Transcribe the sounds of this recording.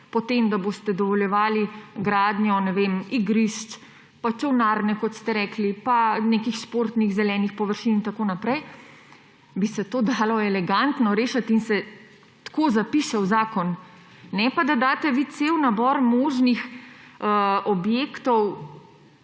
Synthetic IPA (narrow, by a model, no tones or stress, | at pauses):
pɔt̪emd̪aboːst̪ɛd̪ɔʋɔljɛʋaːliɡɾaːd̪njɔnɛʋemiɡɾiʃt͡ʃ | pat͡ʃɛwnaːɾnɛkɔt̪st̪ɛɾɛːklipanekixʃpoːɾt̪niɣzɛlɛːnixpɔʋəɾʃinint̪akoːnapɾɛj | bisɛt̪oːd̪aːlɔɛlɛɡant̪nɔɾeːʃat̪insɛ | t̪koːzapiʃɛwzaːkɔnː | ɛpad̪ad̪aːt̪ɛʋiːt̪sewnabɔɾmoːʒnixəɔbjeːkt̪ɔw